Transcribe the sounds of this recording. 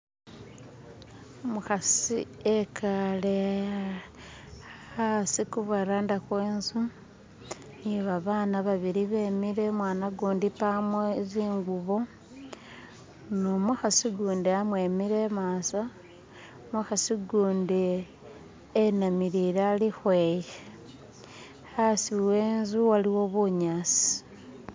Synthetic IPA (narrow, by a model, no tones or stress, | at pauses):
muxasiekʰale | asikuβaɾaːndakweːnzu | niβaβaːnaβaβiɾiβe̞ːmiɾemwaːnaɡuːndipamweziːŋɡuβo̞ | nomuxasiɡuːndiamweːmiɾemasa | muxasiɡuːndi | enamiɾiɾalixweje | xasiweːnzuwaliwo̞βuɲasi̥